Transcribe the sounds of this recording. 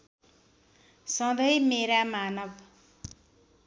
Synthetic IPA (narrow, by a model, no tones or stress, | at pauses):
sʌ̃d̪ʌjmeɾamanʌb